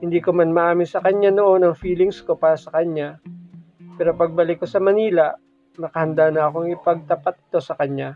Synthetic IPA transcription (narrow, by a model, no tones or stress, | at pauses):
hɪnd̪iːkomanmɐʔaːmɪnsɐkɐɲːano̞ʔo̞nɐŋfiːlɪŋsko̞paːɾɐsɐkɐɲa | pɛːɾo̞pɐɡ̚bɐlɪkːosɐmɐniːlɐʔ | nɐkɐhɐnd̪anɐɐko̞ŋɪpɐɡ̚t̪ɐpat̪̚ɪ̥t̪o̞sɐkɐɲa